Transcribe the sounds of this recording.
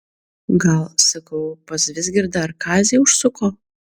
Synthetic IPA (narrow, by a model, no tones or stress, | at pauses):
ɡɐlˠsɐkɐʊpɐsʋʲɪsʲɡʲɪɾd̪ɐɾkʰɑːzʲeːʊʃsʊkoː